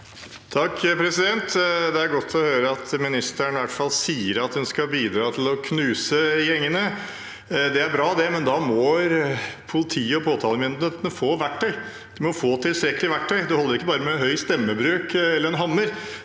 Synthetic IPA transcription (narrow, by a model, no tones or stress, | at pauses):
t̪ʰɑkːpʰɾɛsɪd̪ɛnt̪d̪ɛæɾɡɔt̪ʰːɔhøːɾəɑt̪ʰmɪnɪst̪æɳʋæʈfɑlːsiːəɾɑt̪hʉnskɑbiːd̪ɾɑːt̪ʰɪlɔkʰnʉːsəjɛŋːənə | d̪ɛæɾbɾɑːd̪ɛmɛnd̪ɑmɔɾpʰʊlɪt̪ʰiːəɔpʰoːt̪ʰɑːləmɪnd̪ənət̪nəfoːʋæʈʰːœʏ | d̪̥ɪmɔfoːt̪ʰɪlst̪ɾɛkːəlɪʋæʈʰːœʏd̪ɛhɔlːəɾɪkːəbɑːɾəmɛnɦœʏst̪ɛmːəbɾʉːkɛlːəɾɛnɦɑmːəɾ